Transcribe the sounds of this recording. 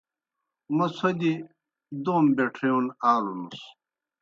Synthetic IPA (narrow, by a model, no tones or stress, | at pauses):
mɐsʰɐd̪i | d̪oːmbeʈʰeonaːlunus